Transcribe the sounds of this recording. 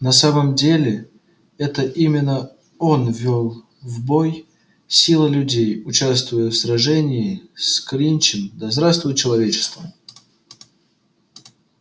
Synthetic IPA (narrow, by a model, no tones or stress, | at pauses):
nɐsaməmdʲelʲɪ | ɛt̪əʔimʲɪnːə | o̞nvʲːolˠ | vboj | sʲilˠəlʲʉdʲejʊt͡ɕast̪vʊjəfsrɐʐɛnʲɪːskɾʲinʲt͡ɕɪmd̪ɐzd̪ɾast̪vʊjt͡ɕɪlˠɐvʲet͡ɕɪ̥st̪vəm